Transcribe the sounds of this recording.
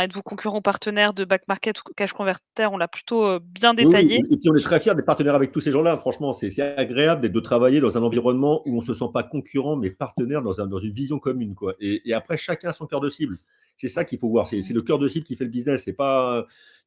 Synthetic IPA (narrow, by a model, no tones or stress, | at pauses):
ɛt̪vukɔ̃kʲyʁɑ̃paʁt̪ənɛʁd̪əbakmaʁkʲɛt̪u̥kaʃkɔ̃vɛʁt̪ɛʁɔ̃laply̥t̪objɛ̃d̪ewit̪aijeepiɔ̃nɛt̪χɛfjɛʁd̪ɛpaʁt̪ənɛʁavɛk̚t̪useʒɑ̃lafχɑ̃ʃmɑ̃sɛsɛaɡʁeabləd̪ɛt̪̚d̪ət̪χavajed̪ɑ̃zɛ̃nɑ̃viʁɔnmɑ̃ʔuɔ̃səsɑ̃pakɔ̃kʲʰyʁɑ̃mɛpaʁt̪ənɛʁd̪ɑ̃zɛ̃d̪ɑ̃zynvizjɔ̃kɔmynkwaʔeːapχɛʃakʲɛ̃asɔ̃kʲœʁd̪əsibl | sɛsakʲifovwaʁsɛsɛləkʲœʁd̪əsiblkʲifɛləbiznɛsːɛpaø